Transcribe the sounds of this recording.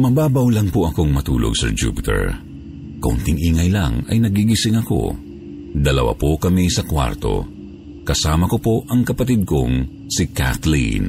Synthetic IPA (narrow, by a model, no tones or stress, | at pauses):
mɐbaːbɐwlɐŋpoʔɐko̞ŋmɐt̪ṵːlʔoɡ̚sɛ̰ɹd͡ʒṵpɪt̪ɛ̰ɹ | kɐʔʊ̰nt̪ɪŋʔiːŋɐjlɐ̰ŋɐ̰jnɐɡiɡɪsɪŋɐko̞̰ | d̪ɐlɐwa̰pokɐmisɐkwa̰ɾt̪o̞̰ | kɐsaːmɐkopo̞ʔɐŋkɐpɐt̪id̪̚ko̞ŋ | sɪka̰t̪lḭn